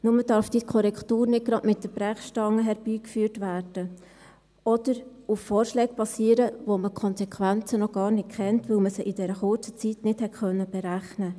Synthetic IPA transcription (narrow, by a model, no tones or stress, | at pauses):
nʊmədɑɾfd̥iːkʰɔɾɛktuːɾnɪt̚ɡ̥ɾɑdmɪt̚d̥əb̥ɾæχʃtɑŋːəɦɛɾb̥iːkfyːrtʋæːɾd̥ə | ɔd̪̥əɾufːɔːɾʃlɛːɡ̚pɑsiːəɾəʋoməkʰχɔnsɛkʰʋænt͡sənɔɡ̥ɑːɾnɪtkʰχɛntʋɵlməsəʔidɛɾəχʊt͡sə̥t͡sitnɪthɛtχœnːəb̥ɛɾæχnə